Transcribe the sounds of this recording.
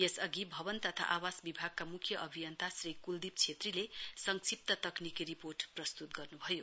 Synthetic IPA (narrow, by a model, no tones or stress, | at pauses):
jesʌɡibʱʌbʌnt̪ʌt̪ʰa̰ʔawasbibʱaɡ̚kamukʰjʌʔʌbʱijʌnt̪ʰasrikuld̪ip̚t͡sʰet̪rilesʌŋsip̚t̪ʌt̪ʌknikiɾiporʈprʌst̪ut̪ɡʌrnubʱʌjo